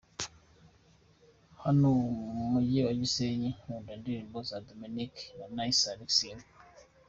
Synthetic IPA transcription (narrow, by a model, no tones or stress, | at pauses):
hanomujiwad͡ʒiseɲiundandiɾimbozad̪ominikjanajsaɾiksin